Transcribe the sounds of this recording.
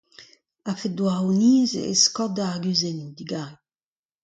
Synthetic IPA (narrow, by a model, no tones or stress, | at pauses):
afed̪waʁuniːzḛeskɔd̪aɡyzenud̪iɡai